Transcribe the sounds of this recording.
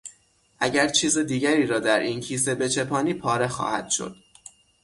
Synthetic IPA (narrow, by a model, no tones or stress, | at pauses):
ʔæɟæɾt͡ʃʰiːzed̪iːɟæɾiːɾɒːd̪æɾʔincʰiːs̬e̞be̞t͡ʃʰe̞pʰɒːniːpʰɒːɾe̞xɒ̰ːhæ̰d̪̥ʃo̰d̪̥